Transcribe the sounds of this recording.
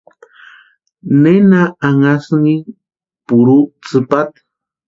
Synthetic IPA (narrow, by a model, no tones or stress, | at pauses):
nenaaŋasŋi | puɾut͡sɨpat̪